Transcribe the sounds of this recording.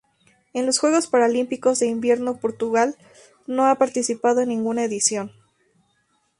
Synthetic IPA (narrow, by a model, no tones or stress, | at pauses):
e̞nlo̞sxwe̞ɣ̞o̞spaɾalimpiko̞zðe̞imbje̞ɾno̞po̞ɾt̪uɣal | no̞apaɾt̪isipað̞oenːĩŋɡunae̞ðisjo̞n